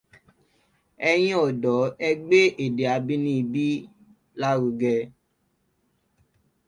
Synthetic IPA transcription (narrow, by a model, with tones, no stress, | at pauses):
ɛ˧j̃ĩ˦ɔ˨dɔ˨˦ɛ˧ɡ͡be˦ʔe˨de˨a˨˦bi˦nĩ˦i˧bi˦ | la˦ɾu˨˧ɡɛ˧